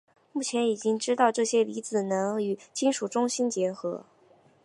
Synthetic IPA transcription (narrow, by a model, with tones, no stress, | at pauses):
mu˥˩t͡ɕʰjɛ˧˥ni˨˩t͡ɕi˥ŋʈ͡ʂɻ̩˥t̪ɑ˥˧ʊʈ͡ʂɤ˥˩ɕjɛ˥li˧˥t͡sɹ̩˨˩nɤ˧˥ŋy˨˩t͡ɕʰi˥nʂu˨˩ʈ͡ʂʊ˥ŋɕi˥nt͡ɕjɛ˧˥xɤ˧˥